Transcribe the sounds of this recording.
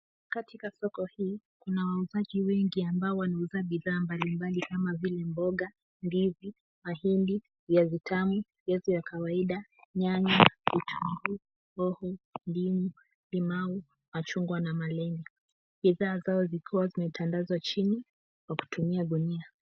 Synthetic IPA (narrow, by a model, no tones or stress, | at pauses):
katikasɔkɔhiː | kunawauzaʄiwɛŋɡiambaɔwanauzaɓiðaːmbalimbalikamavilɛmbɔɠa | mbivi | mahindi | jazitʰamu | jɛzɔjakawaiɗaɲaɲavitʰumbu | ɔhɔndimu | limau | mat͡ʃuŋɡwanamalɛŋɡɛ | ɓiðaːzaɔzikʰiwazimɛtʰandazwat͡ʃini | kwaku̥tumiaɗunia